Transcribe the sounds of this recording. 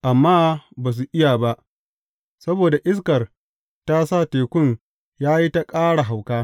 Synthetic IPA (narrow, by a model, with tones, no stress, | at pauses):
ʔa˨mːaː˦baː˨s̬u˨ʔɪ˦ja˨ba˦ʔ | sɐ˦boː˨da˨ʔɪ˦s̬kɐ˨r | ta˦sa˦˨teː˨kʷʊ˦n | jaː˦ji˦ta˦kʼaː˦ɽa˨ɦa˨wkaː˦